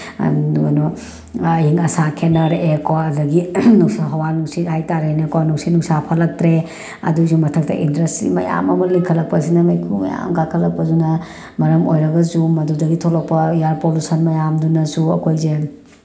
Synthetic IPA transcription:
no | ɦiŋɐsakʰenɐɾekoɐdɐɡinusaɦɐwanuksitajtaɾajnɐkoanuksinuksapʰɐlɐk̚tɾe | ɐ̰dusumɐtʰɐk̚tɐ̰ʔindɾestḭmɐ̰ja̰mɐmɐliŋkʰɐlɐk̚pɐsinɐmɐjkʰumɐ̰ja̰mɡakʰɐlɐk̚pɐzunɐ | mɐɾɐmo̰jɾɐɡɐzumɐdudɐɡitʰolok̚pɐijaɾpolusɐnmɐjamdunɐsuɐ̰kʰojze

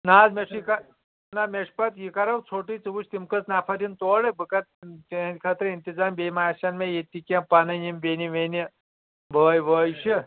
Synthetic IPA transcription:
naːzmeʂjika | nameʂpɐt̪jikɐɾɐwt͡sʰoːʈit͡sɨʋuʃʰt̪imkət͡snaːpʰɐɾint̪oːɽebɨkɐt̪t̪ːnʲkʰɐt̪ɾɨint̪izaːmbemaːʃɐnmejet̪ikʲãpanɐjimbeːniʋeni | bəːjʋəːjʃi

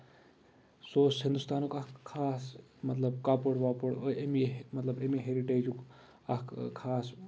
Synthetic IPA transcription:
soːshɪnd̪ust̪aːnukɐkkʰːaːsmɐt̪lɐbkaːpəɽʋaːpəɽemimɐt̪lɐbemiɦeɾiʈeːd͡ʒuk | ɐkkʰaːs

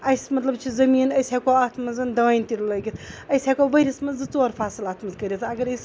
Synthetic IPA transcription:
ɐjsmɐt̪lɐbt͡ʃʰizɐmiːnɐjsʲaːkoːat̪ʰmɐzɨnd̪ɐʋaːjnt̪iɾlɐɡʲit̪ʰɐjsʲaːkoːbɐɾʲismɐnzɨt͡soːɾpʰaːsɨlaːt̪ʰmɐzkɐɾʲet̪ʰɐɡɐɾɐjs

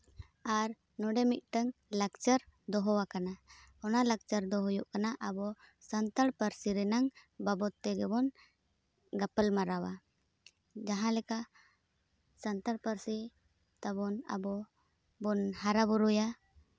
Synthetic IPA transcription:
aɾ | nɔɖɛmit̪̚ˀʈəŋlakt͡ʃəɾd̪ɔɦɔwakanaɔnalak̚t͡ʃəɾd̪ɔɦɔjuʔkanaʔəbɔsənt̪aɽpəɾsiɾɛnaŋbabɔt̪ːɛɡɛbɔn | ɡapəlmaɾawa | d͡ʒaɦãlɛka | sənt̪əɽpəɾsi | t̪abɔna̰bɔ | bɔnhaɾabuɾuja

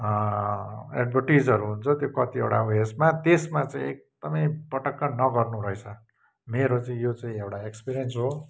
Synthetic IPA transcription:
ḛɖbʱʌrʈid͡zʌɾuɦunt͡sʰʌt̪jokʌt̪iewɽaoesmat̪esmat͡sãĩek̚d̪̥ʌmʌjpʌʈʌkːanʌɡʌrnuɾʌet͡sʰʌ | meɾot͡saĩjot͡sãĩewʈaekspiɾijʌnsɦo

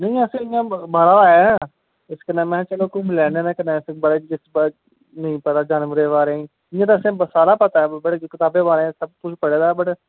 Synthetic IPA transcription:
nəĩːəsẽːɪãːbəɾãː | ɪskənɛ̃ːmɛ̃ːt͡ʃəloːkũmlɛːnẽːnẽːkənɛ̃ːsẽbəɽeːd͡ʒɪsb | nəĩːpət̪aːd͡ʒaːnʋɾeːʋaːɾẽː | ɪãːt̪aəsẽːbəsaːlaːpət̪aːɛbəʈkɪt̪aːbeːʋaːɾẽsəb̚kʊt͡ʃʰpəɽeːd̪aːbəʈ

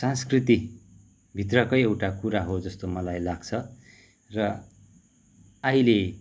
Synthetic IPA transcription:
sãnskrit̪i | bʱit̪rʌkʌjewʈakuɾaɦod͡zʌst̪omʌlajlaɡt͡sʰʌ | rʌ | ʌile

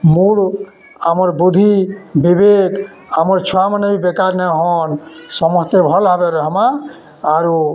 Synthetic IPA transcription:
muɽ | amɔɾbud̪ʱibibeɡ | amɔɾt͡ʃʰuamanɔbibekaɾnɛɦɔnsɔmɔst̪ebʱɔlʱabeɾɔɦɔmaː | ɾu

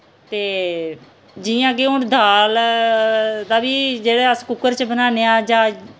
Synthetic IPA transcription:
t̪eː | d͡ʒɪjãːkeʊːɳd̪ʱaːl | d̪aːbiːd͡ʒeːɽeːəskʊkːəɾt͡ʃbənaːneːaːd͡ʒãː

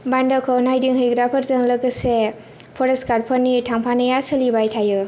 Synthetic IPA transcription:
bandɔkʰɔnajdiŋɦɯjɡɾapʰəɾzɯŋləɡɯse | pʰɔɾeskaɾ̚pʰənːitʰaŋpʰanɐjasɯlibajtʰajɯ

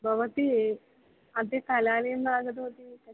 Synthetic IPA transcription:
bʱɐʋɐt̪i | ɐnt̪eːt̪ɐlaːlenlaːɡɐd̪oːt̪ikɐ

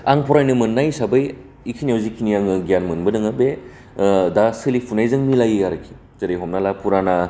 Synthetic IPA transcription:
aŋpʰɔɾajnɯmɯnːajsabɯj | ikʰinijawzikʰinijaŋɯɡijanmɯnbɯnɯŋabe | dasɯlipʰunajzɯŋmilajiaɾɯkʰi̥ | z̥ɯɾejɦɔmnalapʰuɾana

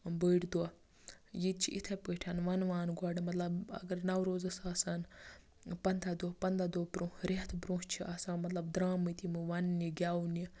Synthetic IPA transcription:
bəːʈd̪uɐ | jid̪̚t͡ʃʰḭʔit̪ʰepəʈʰanʋɐnʋaːnɡɔɖmɐt̪lɐbɐ̰ɡɐɾnɐwɾoːzɐsaːsan | pɐnd̪ad̪opɐnd̪ad̪oːbɾũɾeɦt̪ʰbɾũːst͡ʃʰiʔɐsãːmɐt̪lɐbd̪ɾaːmɨt̪ʰimɨʋɐnːiɡʲaːuni

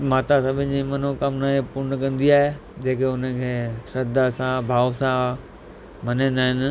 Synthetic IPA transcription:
maːt̪asɐbʱɪ̃nɪ̆d͡ʑimɐn̤okɐmnaɦepʊnəkɐ̃nd̪iaːɦed͡ʑeːkeʊn̤əkʰeːsɐd̪asãbʱaːʋsã | mɐnẽːn̆d̪aːɦɪnɪ̆

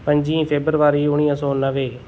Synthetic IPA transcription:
pəɲd͡ʒĩːpʰeːbəɾʋaːɾiːʊɽ̃ijãːsɔːnəʋeː

